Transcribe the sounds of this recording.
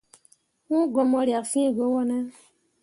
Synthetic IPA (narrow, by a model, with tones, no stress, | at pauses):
ũ˦ɡɔ˨mɔ˧ɾja˨kfĩ˦˨ɡo˨˦wɔ˦nɛ˦